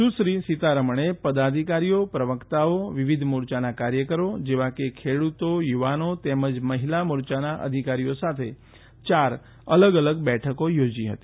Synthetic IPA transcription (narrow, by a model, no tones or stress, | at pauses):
ʃũʃɾisit̪aɾəməɳepəd̪ad̪ʱikaɾijopɾəʋəkt̪aoʋiʋid̪ʱmuɾt͡ʃanakaɾjəkəɾod͡ʒeʋakekʰeɽut̪ojuʋanot̪eməd͡ʒməɦilamuɾt͡ʃanaʔə̰d̪ʱikaɾijosat̪ʰe | t͡ʃaɾ | ələɡələɡbɛʈʰəkojod͡ʒiɦə̰t̪i̥